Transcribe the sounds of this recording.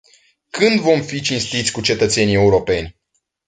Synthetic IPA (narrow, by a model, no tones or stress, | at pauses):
kɨnd̪vo̞mfit͡ʃinst̪it̪sʲkut͡ʃe̞t̪ət̪se̞nie̞uɾo̞pe̞nʲ